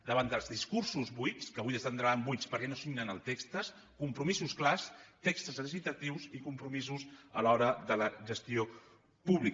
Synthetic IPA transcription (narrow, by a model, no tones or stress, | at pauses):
d̪əβanəlˠzðiskuɾsuzβujskəβujðəst̪ənd̪ɾambujspəɾkɛnosiŋnənəlˠt̪ekst̪əs | kumpɾumizusklast̪ekst̪əzəs̬isit̪ət̪iwzikumpɾumizuzəlɔɾəðələʒəst̪io | puβlik